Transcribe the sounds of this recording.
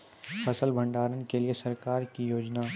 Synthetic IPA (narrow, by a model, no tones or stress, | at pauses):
pʰɐsəlbʱɐ̃ɳɖaːɾənkeliesɐɾkaːɾkijoːd͡ʒna